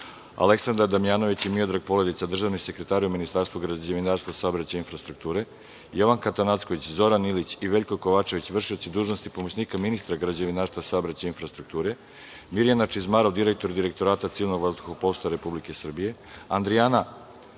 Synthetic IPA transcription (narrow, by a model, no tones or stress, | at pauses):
a̰le̞ksand̪ɾaɾd̪amijaːno̞ʋit͡ɕimio̞d̪ɾaɡ̚po̞le̞d̪it̪ad̪r̩ʒaːʋnise̞kɾe̞t̪aːɾiuminist̪aːɾst̪vuɡɾad͡ʑeʋinaːɾst̪ʋasaobɾat͡ɕainfɾast̪ɾuk̚t̪uːɾe̞ | jo̞ʋaŋkat̪anat̪skoʋit͡ɕzo̞ɾanilit͡ɕiʋe̞ʎko̞ko̞ʋaːt͡ʃeʋit͡ɕʋr̩ʂiot͡ɕ̪id̪uːʒno̞st̪ipo̞mot͡ɕniːkaminist̪ɾaɡɾad͡ʑaʋinaːɾst̪ʋasaobɾat͡ɕainfɾast̪ɾuk̚t̪uːɾe̞ | miɾijanat͡ʃizmaɾoʋd̪iɾek̚t̪o̞ɾd̪iɾe̞k̚t̪o̞ɾaːt̪at̪siːilno̞ɡʋazd̪uxopo̞st̪aɾe̞publike̞sr̩bije̞ | and̪ɾijana